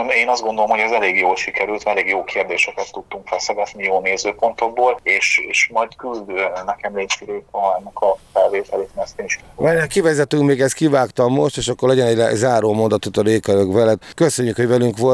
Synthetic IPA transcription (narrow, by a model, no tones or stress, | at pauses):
eːnɒzd̪ɡond̪olomhoɟɛzɛleːɡjoːlʃikɛɾylt̪ɛleːɡjoːkʰeːrd̪eːʃɛkɛt̪ːut̪ːuŋkfɛlsɛɡɛt̪nijoːneːzøːpo̞nt̪o̞ɡboːleːʃeːʃmɒjt̪kyld̪nɛkɛmleːsiɾøːk̪ɔɛnːɛkɒfɛlveːt̪ɛleːt̪mɛst̪eːniʃkiaɛkivɛzɛt̪yŋkmeːɡɛskivaːkt̪ɒmːo̞ʃt̪eːʃɒkːorlɛɟɛnɛɟɛ̰zaːɾoːmo̞nd̪ɒt̪ot̪ɒɾeːkøɾøkʋɛlɛd̪køsøɲːykhoɟvɛlyŋkʋo̞lt̪